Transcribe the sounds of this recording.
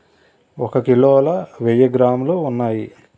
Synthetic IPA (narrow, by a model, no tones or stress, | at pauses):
ɔkɐkiloːlɐʋejɐɡɾaːmloːunːaːji